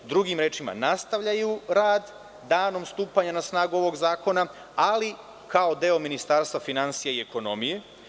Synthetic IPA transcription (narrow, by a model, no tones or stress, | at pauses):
d̪ɾuɡimɾe̞ːt͡ʃima̰nast̪aʋʎajuɾaːd̪ː | aːno̞mst̪uːpaɲanasnaːɡuo̞ʋo̞ɡzaːko̞na | ali | kao̞d̪e̞ːo̞minist̪aːɾst̪ʋafinansijaie̞ko̞no̞mije